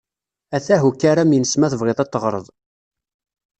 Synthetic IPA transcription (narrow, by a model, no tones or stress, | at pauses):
æθæɦukːaɾæminəsmæθəvʁeðˤɑt̪ːəʁɾˤəðˤ